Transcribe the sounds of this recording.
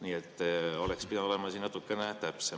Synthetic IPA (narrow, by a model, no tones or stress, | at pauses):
niːet̪ːo̞lekspid̪ɑnolemɑsiːnnɑt̪ːˑukːenet̪æpse